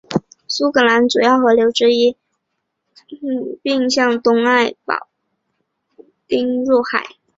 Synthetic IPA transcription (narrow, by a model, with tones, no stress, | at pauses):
su˥kʰɤ˨˩la˧˥nt͡su˨˩jɑ˥˩ʊxɤ˧˥ljo˧˥ʊʈ͡ʂɻ̩˥i˥ | pi˥˧ŋɕjɑ˥˩ŋt̪ʊ˥ŋa˥˩ɪpɑ̰˨˩ʊ | t̪i˥ŋɻu˥˩xa̰˨˩˦ɪ